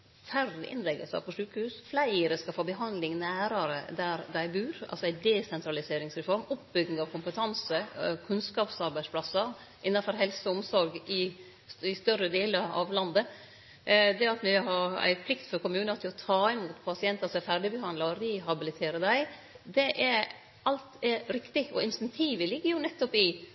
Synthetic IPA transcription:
fæɾɪɪ̰nlɛɡə̰lsə̰pɔʂʉːkəhʉːsflæɪəɾəskɑfoːbəɦɑnd̪lɪŋnæːɾəɾə̰d̪æɾd̪æɪbʉːɾɑ̰lsɔæɪd̪ɛsɛnt̪ʰɾɑlɪseːɾɪŋsɾɛfɔɾmʊpbʏɡn̩ɑʋkʰʊmpət̪ʰɑnsəkʰʉnskɑːpsɑɾbæɪspʰlɑsəɾ | ʔɪnːɑnfɔɾɦɛlsəʊmsɔɾɡɪ | ɪst̪œɾːəd̪eːləɾɑ̰ʋlɑnd̪ə | d̪ɛɑt̪mɪɦɑɾæ̰ɪpʰlɪkt̪fɔɾkʊmʉːnəɾt̪ʰɪlɔt̪ʰɑːɪmuːt̪pʰɑsɪɛnt̪ɑsɔæfæɾɖɪbəɦɑnd̪lɑɾd̪ɪɦɑbɪlɪt̪ʰeːɾəd̪æɪ | d̪ɛʔɛɾ | ɑlt̪ɛɾɾɪkt̪ɪɔ̰ɪnst̪ɛnt̪ʰiːʋəlɪɡːəɾjʊnɛt̪ːɔpɪ

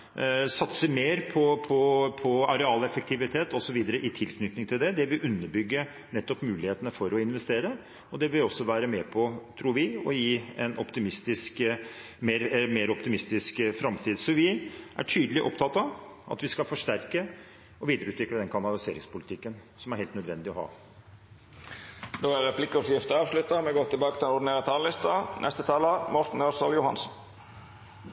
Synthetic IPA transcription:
sɑt̪səmeːɾpʰɔpʰɔpʰɔɑɾɛɑːlɛfək̚t̪ʰɪʋɪt̪ʰeːt̪ɔsɔʋiːd̪əɾəʔɪt̪ʰɪlkʰnʏt̪nɪŋt̪ʰɪld̪ɛd̪ɛʋɪʔʉnːəɾbʏɡːə | nɛt̪ːɔpmʉːlɪheːt̪ənəfɔɾɔɪnʋɛst̪eːɾə | ɔd̪ɛʋɪlɔsːɔʋæːɾəmɛːpʰɔt̪ʰɾuːɾʋɪɔjiːɛnʔɔpt̪ɪmɪst̪ɪsk | meːɾmeːɾɔpt̪ɪmɪst̪ɪskfɾɑmt̪ʰiːd̪sɔʋɪʔæ̰ʈʰyːd̪əlɪʔɔ̰pt̪ʰɑt̪ːɑʋɑ̰t̪ʋɪskɑlfɔʂʈæɾkə | ɔʋiːd̪əɾʉːt̪ʋɪkləd̪ɛnkʰɑnɑlɪseːɾɪŋspʊlɪt̪ʰɪkːən | sɔmæɾheːlt̪nœd̪ʋɛnd̪ɪɔhɑ̰ː | d̪oæɾɛpʰlɪkɔsjɪft̪əɑːʋʂlʉt̪ːɑmɛɡoːʁt̪ɪlbɑːkət̪ɪlɛnɔɖ̪ɪneːɾɑt̪ʰɑːllɪst̪ɑnʔɛ̰st̪ət̪ʰɑːləmɔɾt̪n̩øsəljʊhɑ̰nsn

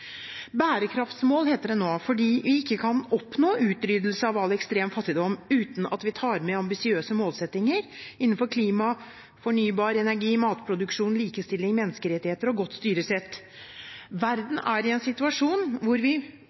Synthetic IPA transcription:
bæːɾəkʰɾɑft̪smoːlheːt̪əɖɛnoːfɔɖiːʋɪɪkːəkʰɑnɔpnoːʔʉːt̪ɾyːd̪l̩səɑʋɑlːɛkst̪ɾeːmfɑt̪ːɪd̪ɔmːʉːt̪n̩ɑ̰t̪ʋɪt̪ʰɑːɾmɛɑmbɪsɪøːsəmoːlsɛt̪ːɪŋəɾɪnːnfɔɾkʰliːmɑ | fɔɳyːbɑːɾɛnæɾɡiːmɑːt̪pʰɾʊd̪ʉkʂuːnliːkəst̪ɪlːɪŋmɛnːəskəɾɛt̪ːɪheːt̪əɾɔɡɔt̪ːst̪yːɾəsɛt̪ː | ʋæɾd̪n̩æɾɪɛnsɪt̪ʉɑʂuːnʋʊɾʋɪ

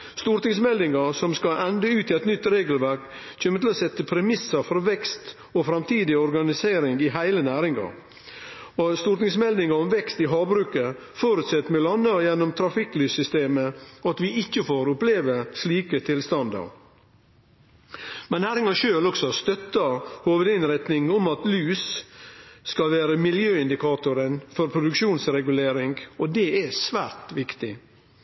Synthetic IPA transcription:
st̪uɾt̪nɪŋsmɛld̪ɪŋɑsɔmskɑʔɛnd̪əʉːt̪ʰɪɛt̪nʏt̪ːɾeːɡəlʋæɾk | c͡çøːmːət̪ɪlɔːsɛt̪ːəpʰɾɛmɪsːəɾfɔɾʋɛkst̪ | ɔfɾɑmt̪ʰiːd̪ɪɔɾɡɑnɪseːɾɪŋɡɪɦæɪlənæːɾɪŋɑ̰ɾ | ɔst̪ʊːɾt̪nɪŋsmɛld̪ɪŋɑɾɔmʋɛkst̪ɪɦɑːbɾʉːkə | foːɾʉt̪sɛt̪ːmɛlɑnːəjɛnːɔmt̪ʰɾɑfɪklyːsʏst̪eːməɔɑt̪ʋɪɪçːəfoːɾʊpleːʋəsliːkət̪ʰɪlst̪ɑnd̪ə̰ɾ | mɛnːæːɾɪŋɑʃøːlɔksɔst̪œt̪ːəhoːʋəd̪ɪnɾɛt̪nɪŋɔmɑt̪lyːs | skɑlʋæːɾəmɪljøːɪnd̪ɪkɑːt̪ʊɾənfɔɾpʰɾʊd̪ʉkʃuːnsɾɛɡʉleːɾɪŋɡɔd̪ɛɛsʋæ̰ːɾt̪ʋɪkt̪ɪ

